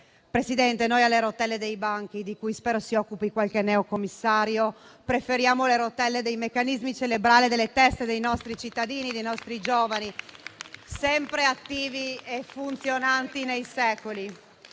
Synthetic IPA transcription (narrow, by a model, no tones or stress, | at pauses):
pɾesid̪ɛnt̪enojalːeɾot̪ɛlːed̪ejbaŋk̟id̪ikujspɛːɾosiɔkːupikwalkenɛokomːisːaːɾjopɾefeɾjaːmoleɾot̪ɛlːed̪ejmekːanizmit͡ʃelebɾaːlid̪elːet̪ɛst̪ed̪ejnɔst̪ɾit͡ʃit̪ːad̪iːnid̪ejnɔst̪ɾid͡ʒoːvani | sɛmpɾeat̪ːiːviefunt̪sjonant̪inejsɛːkoli